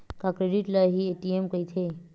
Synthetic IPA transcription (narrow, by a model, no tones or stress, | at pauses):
kakɾeɖiʈlaɦieːʈiemkɐit̪ʰe